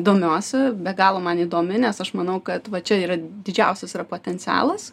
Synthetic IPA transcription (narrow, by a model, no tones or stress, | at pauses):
id̪oːmʲoːsʲɛbʲɛɡɑːlˠoːmɐniːd̪oːmʲɪnʲɛsɐʃmɐnɐʊkɐt̪ʋɐt͡ʃʲɛiːɾɐd̪ʲɪd͡ʒʲɛʊsʲɛsiːɾɐpoːt̪ʲɛnʲt͡s̪ʲæ̰ːlˠɐs